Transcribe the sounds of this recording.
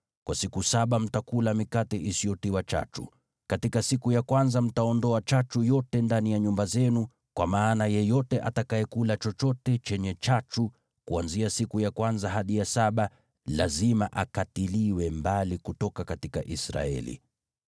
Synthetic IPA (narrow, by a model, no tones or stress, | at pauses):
kwʔasikusaɓam̩takulamikatɛʔisiɔtiwat͡ʃa̰t͡ʃṵ | katikasikujakwanzam̩taɔndɔat͡ʃat͡ʃujɔtɛndanijaɲumbazɛnu | kwamaːnajɛjɔtɛʔa̰takaɛkulat͡ʃɔt͡ʃɔtɛt͡ʃɛɲɛt͡ʃat͡ʃu | kuanziasikujakwanzaɦaɗijasaɓa | lazimaʔakatiliwɛmbalikutɔkakatika̰ʔisɾa̰ɛ̰lḭ